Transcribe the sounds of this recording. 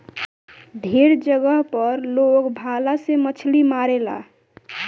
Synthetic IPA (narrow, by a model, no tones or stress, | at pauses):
d̪ʱeɾd͡ʒəɡəɦpəɾlokbʱalasemət͡ʃʰlimaɾela̰